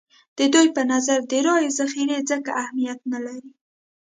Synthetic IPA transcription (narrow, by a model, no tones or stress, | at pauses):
d̪̥əd̪ujpənazaɾd̪əɾɑjozaxiɾezəka̰ʔahmijat̪̚nalaɾi